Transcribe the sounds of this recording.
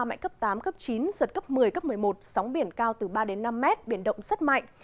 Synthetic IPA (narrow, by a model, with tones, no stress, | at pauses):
ma̰˧˨ŋ̟kə˦˥p̚t̪aː˨˦mkə˦˥p̚t͡ɕi˨˦nzə˨˩t̚kə˦˥p̚mɨ˨˩əjkə˦˥p̚mɨ˨˩əjmo˨˩t̚sa˨˦wŋ͡mɓi˧˩ənkaː˧wt̪ɨ˨˩ɓaː˧ɗe˨˦nːa˧mːɛ˦˥t̚ɓi˧˩ənɗə̰˧˨wŋ͡msə˦˥t̚ma̰˧˨jŋ